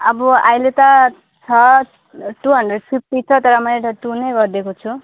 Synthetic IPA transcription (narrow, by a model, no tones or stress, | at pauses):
ʌbʌajlet̪ʌ | t͡sʰʌ | ʈuɦʌɳɖreɖ̚pʰip̚ʈit͡sʰʌt̪ʌɾʌmʌjeʈʌʈunʌjɡʌrd̪ekot͡sʰu